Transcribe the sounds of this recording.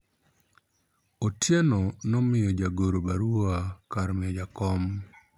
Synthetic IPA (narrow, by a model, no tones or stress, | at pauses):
otjenɔnɔmɪjɔd͡ʒaɡoɾobaɾuakaɾmɪɔd͡ʒakɔm